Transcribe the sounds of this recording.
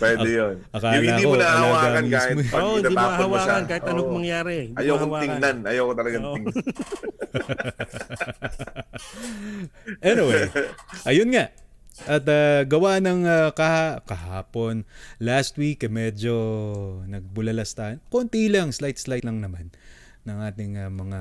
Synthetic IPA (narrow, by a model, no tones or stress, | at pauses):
pwɛd̪ɛjonʔɐkaːlɐɐd̪iomʊnahɐɐlɐɡaːɡaɐnikaːshɪt̪oʔohɪniaoɐhɐmwaɐnkaːhɪt̪ɐomɐŋjaːɾɛɪnɐjɐwkonwaːɪŋnanʔɐjawkot̪ɐlɐɡatɪŋ | ʔɛnɪwejʔɐjonŋaʔ | ʔɐt̪aɡɐwanɐŋakɐhakɐha̰ːpo̞nlast̪̚wikːɐmɛd͡ʒonɐɡ̚bʊlɐlɐst̪aɐnkont̪ilɐŋslajt̪̚slajt̪lɐŋnɐmanː | ɐŋʔaːt̪ɪŋɐmɐŋa